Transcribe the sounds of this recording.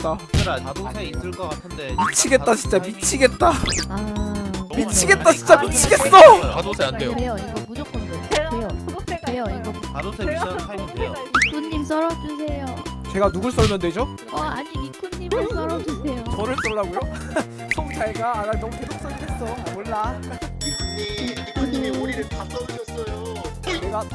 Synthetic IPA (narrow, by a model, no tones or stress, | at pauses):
t͈a | s͈ɯkʌk͈atʰdemit͡ɕʰiɡe̞t̚t͈at͡ɕint͡ɕ͈amit͡ɕʰiɡe̞t̚t͈aa | mit͡ɕʰiɡe̞t̚t͈at͡ɕʰint͡ɕ͈amit͡ɕʰiɡe̞ss͈ʌ | eɾejoiɡʌmud͡ʑok͈ʰʌndeeejokɾejoiɡʌ | ik͈unɲims͈ʌɾʌd͡ʑusʰe̞jot͡ɕe̞ɡanuɡuɭs͈ʌɭmjʌndwed͡ʑo | ʌaɲimik͈ʰunːimɯɭs͈ʌɾʌd͡ʑusʰe̞joʌɾɯɭs͈ʌɭːaɡojo | sʰoŋt͡ɕaɭɡaːɾaɭnʌmupʰedok̚s͈ʌnies͈ʰʌmoɭːa | ikʰuuɾiɾɯtas͈ʌɾɯɕʌs͈ʌjoeɡa